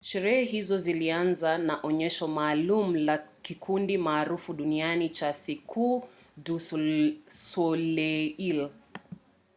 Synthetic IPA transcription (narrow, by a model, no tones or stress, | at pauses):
ʃɛɾɛhɛɦizɔzilianzanaʔɔɲɛʃɔmaːlum̩lakikʰundimaːɾufuɗunianit͡ʃasikʰu | du | sɔlɛil